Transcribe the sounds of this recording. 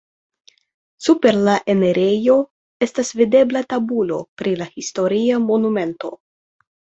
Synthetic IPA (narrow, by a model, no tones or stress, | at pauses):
supe̞ɾlaʔe̞neɾʔe̞jo̞ | e̞stasvide̞blatabulo̞̰pɾilahisto̞ɾiamo̞nume̞nto̞̰